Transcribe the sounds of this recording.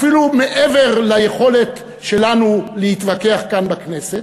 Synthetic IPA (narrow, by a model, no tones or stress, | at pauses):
filume̞ʔeve̞ʁlaje̞χo̞le̞t | ʃe̞lanulehit̪vake̞aχkanbakne̞set